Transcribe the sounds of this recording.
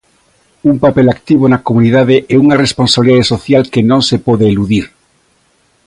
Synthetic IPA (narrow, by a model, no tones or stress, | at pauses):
umpapelakt̪iβ̞onakomuniðaðeʔɛuŋaresponsaβliðaðesoθjalkenõŋsepɔðeːluðiɾ